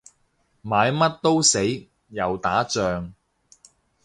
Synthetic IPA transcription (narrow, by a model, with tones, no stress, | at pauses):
maː˨˧jmɐ˥t̚t̪o˥wse˨˥j | jɐ˨wt̪aː˨˥t͡ʃœː˨ŋ